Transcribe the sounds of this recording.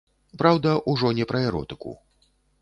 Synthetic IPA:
pɾawd̪ɐʔuʐɔnʲɛpɾɐɛɾɔ̰t̪ɨ̥kṵ

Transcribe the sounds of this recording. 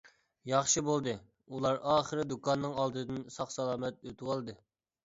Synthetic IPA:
jɑχʃɨbolˠd̪ɨ | ulˠɑɾɑːχəɾɨd̪ukɑnːɨŋɑlˠd̪ɨd̪ɨnsɑχsɑlˠɑːmɛt̪̚øt̪ʰɨwɑlˠd̪ɨ

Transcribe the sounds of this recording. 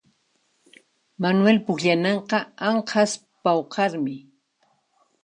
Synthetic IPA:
manwelpʊkʎanɑɴqɑaɴhas | pawqɑɾmɪ

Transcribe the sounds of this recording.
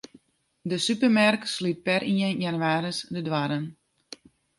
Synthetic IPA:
dəsypərmarkslyt̚pɛrʔiənjanyaːɾəsdədwaɾən

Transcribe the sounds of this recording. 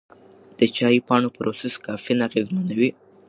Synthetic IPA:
d̪̥ət͡ʃɑjpɑɳopɾoseskɑfinaqizmanawi

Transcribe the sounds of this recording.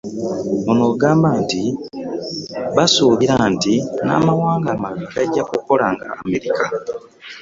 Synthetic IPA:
ono̞ːɡaːmbaːnti | βasuːβiɾantina̰ːmawaːŋɡaːmalaakaɟakukːolaŋɡa̰ːme̞ɾika

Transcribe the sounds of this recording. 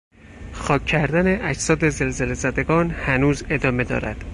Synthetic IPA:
xɒːcʰːæɾd̪æne̞ʔæd͡ʒsɒːd̪e̞zelze̞lezæd̪e̞ɡɒːnhænuːze̞d̪ɒːme̞d̪ɒ̰ːɾæ̰d̪̥

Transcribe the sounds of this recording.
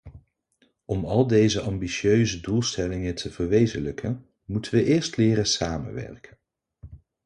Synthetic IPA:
ɔmɑlˠdejzəʔɑmbiʃjøɥzədulˠstɛlɪŋətʰəvəɹʋejzələkʰən | mutənʋəʔɪːɹstlɪːɾəsaːmə̰nʋɛ̰ɹkə̥n

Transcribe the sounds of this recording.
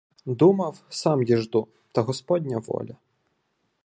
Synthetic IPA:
d̪umɐwsɑmjiʒd̪u | t̪ɐɦɔspɔdʲnʲɐʋɔ̰lʲɐ

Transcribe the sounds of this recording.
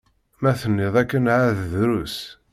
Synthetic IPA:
mæθənːɪðˤækːənʕaððɾus

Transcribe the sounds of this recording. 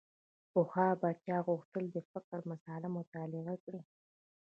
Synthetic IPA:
pʊxɑbɑt͡ʃɑɣʊxt̪əld̪əfɪkəɾmasɑlamʊt̪ɑlɪɣakɽi

